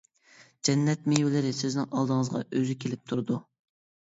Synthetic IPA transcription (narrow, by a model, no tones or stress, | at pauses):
d͡ʒɛnːɛt̪mejwɪlɪɾɪsɪznɪŋʔɑlˠd̪əŋəzʁɑ̰ʔøzykʲʰelɪp̚t̪ʰuɾd̪u